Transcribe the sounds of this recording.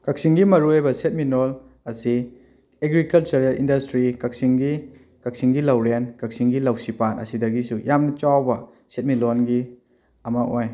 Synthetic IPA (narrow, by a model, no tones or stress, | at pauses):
kak̚siŋɡimɐɾuejbɐset̚minol | ɐsi | eɡɾikɐlt͡ʃɐɾelḭndɐstɾikak̚siŋɡi | kak̚siŋɡilawɾenkak̚siŋɡilɐwsipanɐ̰sidɐɡisujamnɐt͡ʃawbɐ | set̚milonɡi | ɐmaʔoj